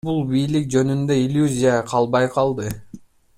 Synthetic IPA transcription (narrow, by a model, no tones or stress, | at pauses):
bulˠbijlik̚d͡ʒø̞nynd̪ø̞ilʲjuzʲijaqʰɑlˠbɑjqʰɑlˠd̪ɯ